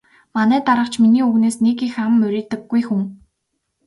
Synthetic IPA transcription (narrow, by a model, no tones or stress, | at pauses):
manæːt̪aɾə̆qt͡ɕʰminiːuɣneːsnekixamːɵɾʲeːt̪ɘ̆ɡːujxuŋ